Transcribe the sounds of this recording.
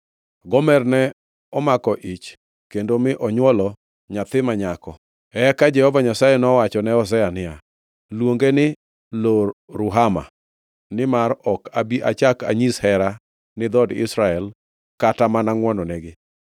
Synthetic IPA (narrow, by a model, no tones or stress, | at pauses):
ɡɔmɛrnɛ | ɔmakɔʔit͡ʃ | kendomɪʔɔɲwɔlɔ | ɲat̪ɪmaɲakɔ | ɛkad͡ʒɛhɔvaɲasajɛnɔwat͡ʃɔnɛɔs̬ɛanɪa | lwoŋɡenɪ | loɾʊɦama̰ | nɪmaɾɔkabiʔa̰t͡ʃaka̰ɲishɛɾa | nɪd̪ɔdɪ̰sɾaɛl | katamanaŋwɔnɔnɛɡɪ